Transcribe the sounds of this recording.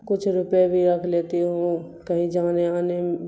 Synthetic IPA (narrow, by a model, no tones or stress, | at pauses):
kʊt͡ʃʰɾʊpebʱiɾɐkʰleːt̪eɦũ | kɐɦĩd͡ʒaːneaːne